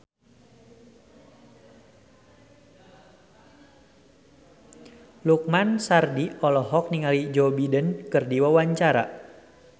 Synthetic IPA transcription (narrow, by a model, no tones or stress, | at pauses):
luk̚mansardiɔlɔɦɔk̚niŋalid͡ʒɔbidənkɨrdiwawaɲt͡ʃaɾa̰